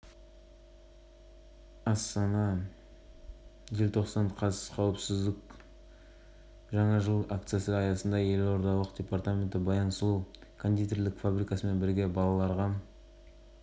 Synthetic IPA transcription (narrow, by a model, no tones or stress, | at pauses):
ɑst̪ɑnɑ | ʒelʲt̪ʰo̞qsɑnqʰɑsqʰɑwəpsɪzd̪ɪk | ʒɑɴɑʒəlˠak̚t̪sɨjasəɑjɑsənd̪ɑje̞lo̞ɾd̪ɑlˠəqdʲe̞part̪amʲe̞nt̪ɪbɑjɑnslˠukʰond̪it̪erlɪkfabɾijkɑsəme̞nbɪɾɡʲe̞bɑlˠɑlˠɑɾʁɑ